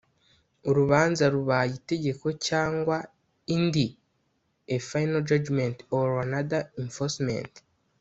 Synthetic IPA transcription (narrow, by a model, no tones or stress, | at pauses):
oɾuβaːnzaɾuβaaite̞ɟe̞ko̞caːŋɡwa | indi | efajnald͡ʒad͡ʒmentoɾanaðaiɱfosmḛnt